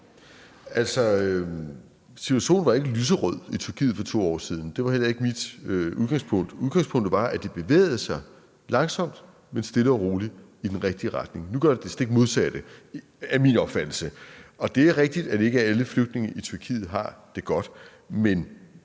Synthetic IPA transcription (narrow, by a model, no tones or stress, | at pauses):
æl̰sɒ̽ø | sit͡sʰuæɕo̝̰ːnʋɑ̈e̝ɡ̥əlyːs̬əʁɔð̰ˠit͡sʰyɐkʰḭːð̩ˠfɒ̽t͡sʰo̝̰ːɒ̰ːsið̞ˠn̩d̥e̝ʋɑ̈hel̰ɐe̝ɡ̥əmid̥øʔuð̞ˠɡɑ̈ŋspʰɔ̽ŋ̰d̥uðɡɑ̈ŋspʰɔ̽ŋ̰d̥əʋɑ̈ʔæd̥e̝b̥e̝ʋḛːð̞̩ˠəsɑ̈ɪ | lɑ̈ŋsɒ̽m̰d̥ | mensd̥e̝ləɒʁo̝ːli | id̥enʁeɡ̥̚d̥iəʁɑd̥ne̝ŋnuɡ̥ɶɐded̥esd̥eɡ̥̚mo̝ð̞ˠsæd̥ə | æminɒ̽b̥fæd̥l̩səɒ̽d̥e̝æɐʁeɡ̥̚d̥id̥æd̥e̝ɡ̥əæləfløɡ̥̚d̥ne̝ŋəʔit͡sʰyɐkʰḭːð̩ˠɦɑ̈d̥e̝ɡ̥ɒ̽d̥ | men